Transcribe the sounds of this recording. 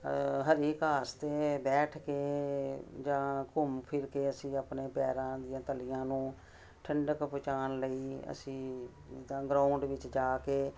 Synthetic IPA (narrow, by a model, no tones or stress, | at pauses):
ɦəɾiːkaːst̪eːbɛːʈʰkeː | d͡ʒãːkʊmpʰɪɾkeːəsĩːapneːpɛːɾãːd̪ɪãːt̪əlɪjãːnũː | ʈʰəɳɖəkpʊt͡ʃaːnləiːə̰sĩː | t̪ãːɡɾãːʊɳɖʋɪt͡ʃd͡ʒaːkeː